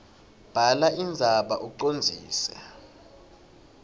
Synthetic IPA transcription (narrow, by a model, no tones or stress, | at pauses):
b̥ʱalaind͡zʱaɓaʔuǃond͡zʱḭːsɛ